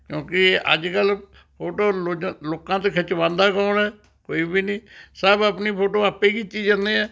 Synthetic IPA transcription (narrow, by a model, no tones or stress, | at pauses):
kjõːkɪʔə̰d͡ʒkəl | pʰoːʈoːloːkãːt̪̬eːkʰət͡ʃʋãːnd̪aːkaːnɛː | koːiːbiːnĩːsəbəpniːpʰoːʈoːaːpːeːkiːt͡ʃiːd͡ʒãnd̪eːɛː